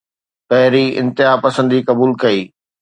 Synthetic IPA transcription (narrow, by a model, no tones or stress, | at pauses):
pɐɦɪɾiɪ̰̃nt̪ɪɦapɐsə̃nd̪ikɐbuːlkɐiː